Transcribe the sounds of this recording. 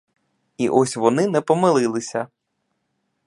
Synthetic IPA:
ḭʔɔsʲʋɔnɪnɛpɔmɪlˠɪlˠɪsʲɐ

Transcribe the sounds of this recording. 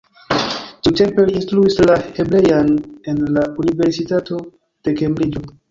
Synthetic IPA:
tite̞mpe̞liːnstɾuislahe̞bɾe̞jane̞nlaunive̞ɾsitato̞ | d̥e̞ke̞mbɾid͡ʒo̞

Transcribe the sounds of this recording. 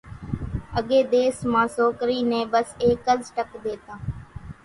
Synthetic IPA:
əɠeːd̪eːsmãːsoːkɾiːnẽːbəseːkəzʈəkd̪eːt̪ãː

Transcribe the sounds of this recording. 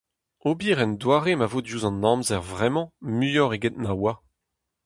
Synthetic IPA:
obiːʁɛndwaːʁemavoːdjuːzɑ̃nɑ̃mzɛʁvʁɛmɑ̃myjɔʁeɡet̪̚nawa

